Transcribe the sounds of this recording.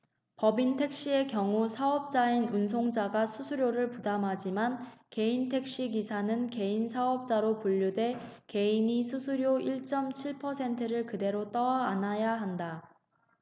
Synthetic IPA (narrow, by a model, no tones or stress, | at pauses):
pʌbintʰe̞k̚ɕ͈ie̞kjʌŋusʰaʌp̚t͡ɕ͈ainuns̬ʰoŋd͡ʑaɡasʰusʰuɾjoɾɯɭpudamɦad͡ʑimanke̞intʰe̞k̚ɕ͈iɡisʰanɯnke̞insʰaʌp̚t͡ɕ͈aɾopuʎːudwe̞ke̞inisʰusʰuɾjoiɭt͡ɕ͈ʌmt͡ɕʰiɭpʰʌsʰe̞ntʰɯɾɯɭkɯde̞ɾot͈ʌwaːnajaɦanda